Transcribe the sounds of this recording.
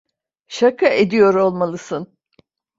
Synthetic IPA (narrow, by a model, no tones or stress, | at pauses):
ʃakʰaʔed̪ijo̞ɾo̞lˠmalˠɯsɯn